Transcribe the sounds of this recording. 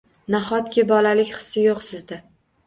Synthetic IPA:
naɦɒt̪kʲɪbɒlalɪkʲχɨ̥sːɪjoqsɪzd̪ɪ

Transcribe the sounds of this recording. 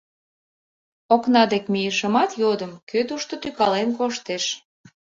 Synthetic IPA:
oknɑd̪ekmijəʃəmɑt̪jod̪əmkøt̪uʃt̪ot̪ykɑlenkoʃt̪eʃ

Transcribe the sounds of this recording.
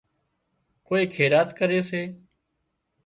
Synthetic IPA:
koːeːkʰeːɾaːt̪kəɾeːseː

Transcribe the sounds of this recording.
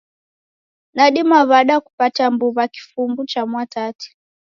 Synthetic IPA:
naɗimaβaɗaku̥patambuβaki̥fumbut͡ʃamwatati̥

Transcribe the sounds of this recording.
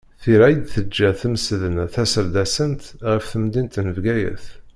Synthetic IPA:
θiɾæjəd̪θəd͡ʒːæθəmsðənθæsəɾd̪æsənt̪ʁəfθəmd̪int̪nəvɡæjə̰θ

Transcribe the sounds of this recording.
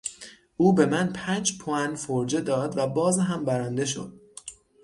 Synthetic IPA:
ʔuːbe̞mænpʰæːnd͡ʒpʰoænfoɾd͡ʒed̪ɒːd̪væbɒːzɦæmbæɾæːnd̪e̞ʃo̞̰d̪̥

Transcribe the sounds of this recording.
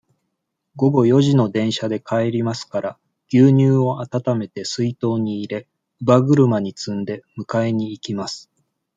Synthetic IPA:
ɡo̞ɡo̞jo̞ʑino̞d̪ẽ̞ɰ̃ɕad̪e̞kae̞ɾʲimasɨ̥kaɾa | ɡ̥ʲɨːɲ̟ɨːo̞at̪at̪ame̞t̪e̞sɨit̪o̞ːɲ̟iːɾe̞ | ɯbaɡɯ̟ɾɯ̟maɲ̟it͡sɨ̃nd̪e̞mɯ̟kaeɲ̟iːkʲimasɨ̥

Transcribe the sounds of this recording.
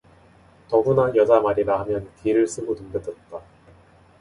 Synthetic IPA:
tʌbunajʌd͡ʑamaɾiɾaɦamjʌnkiɾɯɭs͈ɯɡotumdɯdʌt̚t͈a

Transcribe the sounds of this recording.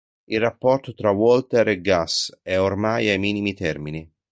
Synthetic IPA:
ilrapːɔrt̪ot̪ɾawɔlt̪eɾɛɡːasɛormajajmiːnimit̪ɛrmini

